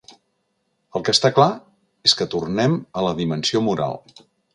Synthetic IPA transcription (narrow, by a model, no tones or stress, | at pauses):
əlˠkəst̪akla | eskət̪urnɛmələðimənsiomuɾa̰lˠ